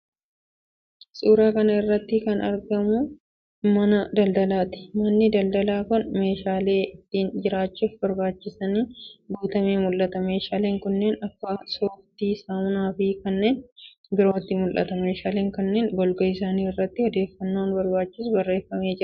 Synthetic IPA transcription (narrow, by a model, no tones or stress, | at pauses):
sʼuːɾaːkɐnɐɪrːɐt̪ːɪkɐnɐɾɡɐmʊ | mɐnɐd̪ɐld̪ɐlaːt̪ɪ̥mɐnːɪd̪ɐld̪ɐlaːkʊnme̞ːʃaːle̞ːɪt̪ːiːnd͡ʒɪɾaːt͡ʃːuːfbɐɾbaːt͡ʃːɪsɐniːbuːt̪ɐmeːmʊlʔɐt̪ɐme̞ːʃaːleːŋkʊnːeːnɐkːasoːft̪iːsamnaːfɪkɐnːe̞ːn | bɪɾo̞ːt̪ːɪmʊlʔɐ̰t̪ɐme̞ːʃaːle̞ːŋkɐnːe̞ːnbɔlɡɐɪsaːniːɪrːɐt̪ːɪhɔd̪e̞ːfːɐnːoːnbɐɾbaːt͡ʃːɪsʊbɐrːe̞ːfːɐme̞ːd͡ʒɪɾɐ